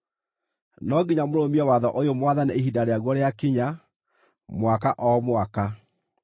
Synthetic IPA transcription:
nɔɡiɲamoɾomiɛwaðɔʔojomwaðaneeɦidaɾeaɣwɔɾeakiɲa | mwakaʔɔmwaka

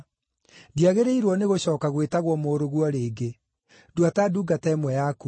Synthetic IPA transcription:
diaɣeɾeiɾwɔneɣoɕɔːkaɣwetaɣwɔmoːɾoɣwɔɾeːɡe | dwataduːɡatɛːmwɛjaku

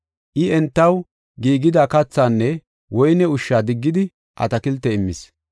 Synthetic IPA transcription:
ʔɪɛnt̪ːɐw | ɡiːɡɪd̪aːkɐt͡sːaːnːɛ | wɔjnɛʊʃːaːd̪ɪɡːɪd̪ɪ | ʔɐ̰t̪ɐkɪlt̪ːɛɪmːɪs

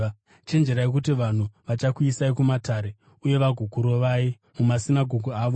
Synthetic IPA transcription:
t͡ʃend͡ʒeɾaek̬utiʋan̤uʋat͡ʃakwisaikumataːɾe̞ | uje̞ʋaɡʱukuɾo̞ʋai | mumasinaɡʱoɡʱuaːʋo

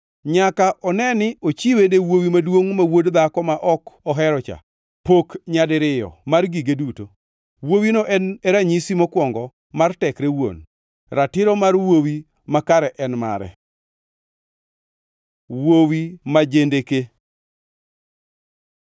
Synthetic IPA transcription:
ɲakaʔɔnɛnɪot͡ʃiwenewowimadwoŋmawodd̪akɔmaʔɔkɔɦɛɾɔt͡ʃa̰ | pokɲadɪɾɪjɔ̰marɡiɡeduto | wowinɔʔɛnɛɾaɲisimɔkwɔŋɡɔ | martɛkɾewo̰n | ɾatɪɾɔmarwowi | makaɾɛʔɛnma̰ɾɛ̰ | wowimad͡ʒendeke

